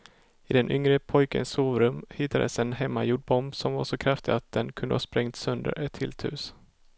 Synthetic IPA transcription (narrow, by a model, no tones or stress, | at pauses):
ɪd̪ɛnʔʏŋɾəpʰɔjkə̰nsːoːvɾɵmhɪt̪ːad̪ə̰sɛnɦɛmːajuːɖ̚bɔmbsɔmvaʂɔkʰɾaft̪ɪat̪̚d̪̥ɛnkʰɵnd̪əhɑːspɾɛŋt̪sœnd̪ə̰ɾɛt̪ʰːɪlt̪ʰhʉ̟ːs